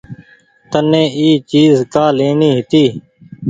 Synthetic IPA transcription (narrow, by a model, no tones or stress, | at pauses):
t̪ənːẽːiːt͡ʃiːzkaːleːɳiːɦɪt̪iː